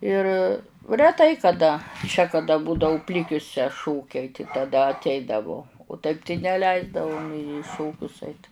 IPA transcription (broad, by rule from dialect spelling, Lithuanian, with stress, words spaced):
ɪr rʲɛˈtɐɪ kɐˈdɐ t͡ʃʲɛ kɐˈdɐ ˈbuːdɐʊ ˈpʲlʲɪkʲʊsʲɛ ˈʃoːkʲɛɪ tɐɪ tɐˈdɐ ɐtʲˈɛɪdɐʋʊ oː tɐɪp tɐɪ nʲɛˈlʲɛɪzdɐʋʊ nʲeː ɪ ˈʃoːkʲʊs ˈɐɪt